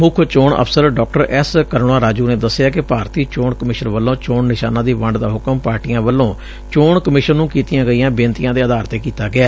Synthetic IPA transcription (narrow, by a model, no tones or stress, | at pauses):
mʊkʰt͡ʃoːɳə̰pʰsəɾɖɔːkʈəɾʔɛskəɾɽaːɾaːd͡ʒuːneːd̪əsːɪjaːkɪpaːɾt̪iːt͡ʃoːɳkəmɪʃənʋəlːõːt͡ʃoːɳnɪʃa̰ːnãːd̪iːʋəɳɖd̪aːɦʊkəmpaːɾʈiːãːʋəlːõː | t͡ʃoːɳkəmɪʃənːũːkiːt̪ɪjãːɡəiːãːbẽːnt̪ɪjãːd̪eːəd̪aːɾt̪eːkiːt̪aːɡɪaː